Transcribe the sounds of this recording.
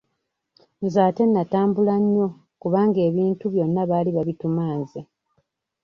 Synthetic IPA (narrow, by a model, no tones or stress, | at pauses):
nzaːte̞nːataːmbulaɲːo̞ | kuβaːŋɡe̞ːβiːntuβjo̞nːaβaːliβaβitumaːnze